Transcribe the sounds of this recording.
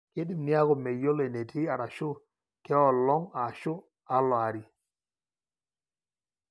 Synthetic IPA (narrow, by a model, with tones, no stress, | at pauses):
ke˦di˦mnɪ˦a˦ɣɔ˨me˨jo˦le˨ne˨tʰi˦a˨ɾa˨ʃʊ˦ | kɛ˦ɔ˨lɔ˦ŋa˨ʃʊ˦ | a˦lwa˨ɾi˨